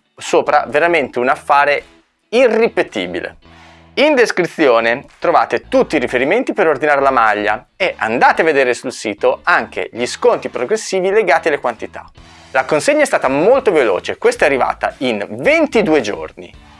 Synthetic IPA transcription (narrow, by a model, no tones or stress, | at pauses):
soːpɾa̰veɾament̪eunafːaːɾe | irːipet̪ḭːbḭlḛ | ind̪eskɾit̪sːjoːnet̪ɾova̰ːt̪et̪ut̪ːiɾifeɾiment̪ipeɾord̪inaːɾelamaʎːa̰ | eʔa̰nd̪aːt̪eavːed̪eːɾesulsiːt̪oaŋk̟ʰḛʎiskont̪ipɾoɡɾesːiːvileɡaːt̪ialːekwant̪it̪ḁ̰ | lakonseɲːaɛst̪aːt̪amolt̪ovelo̰ːt͡ʃekwest̪aɛarːiva̰ːt̪a̰invent̪id̪uːed͡ʒo̰rnḭ